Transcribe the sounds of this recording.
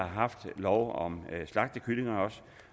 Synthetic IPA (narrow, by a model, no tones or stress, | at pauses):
ɑ̈ɦɑ̈fd̥lɒʊɒ̽mslɑ̈ɡ̥̚d̥əkʰyle̝ŋɐɒ̽s